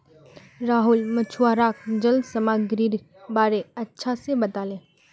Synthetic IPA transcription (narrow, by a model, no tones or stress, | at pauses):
ɾaːɦulmət͡ʃʰuwaːɾaːk̚d͡ʒəld̪sɐmaːɡɾiːɾ | baːɾeɐtːʃʰasebɐt̪aːlẽː